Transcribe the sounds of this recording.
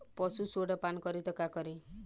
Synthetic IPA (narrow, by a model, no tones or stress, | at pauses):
pɔsusoɽɔpankɔɾit̪ɔkakɔɾi